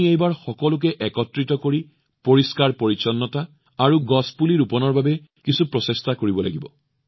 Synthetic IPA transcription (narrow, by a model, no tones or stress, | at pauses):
iejbaɹxɔkɔlʊk̬ɛʔɛkɔtɹitɔkoɹi | poɹiskaɹpoɹit͡ʃɔnːɔta | aɹuɡɔspuliɹupɔnɔɹbabɛ | kisupɹɔsestakoɹibɔla̰ɡibɔ